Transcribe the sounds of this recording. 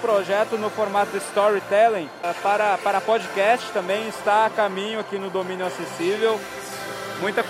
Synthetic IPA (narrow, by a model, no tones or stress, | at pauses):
pɾoʒɛt̪ʊnʊfoɾmat̪ʊɪst̪ɔɾit̪ɛlẽ | paɾɐpaɾɐpɔd͡ʒikɛst͡ʃɪ̥t̪ɐ̃mbẽj̃ɪst̪aːkamĩɲʊakinʊd̪omĩnjʊasesivew | mũj̃t̪ɐ